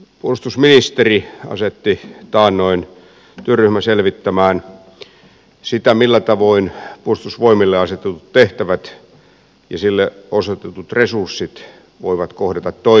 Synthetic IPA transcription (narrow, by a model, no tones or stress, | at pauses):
puolust̪usminist̪eriɑ̰set̪ːit̪ɑːnnoin | t̪yørːyhmæselʋit̪ːæmæːn | sit̪æmilːæt̪ɑʋoinpuolust̪usʋoimilːeɑset̪et̪ut̪t̪eht̪æʋæt̪ | jɑsilːeosot̪et̪ut̪resursːit̪ | ʋo̰iʋɑt̪kohdet̪ɑt̪t̪oi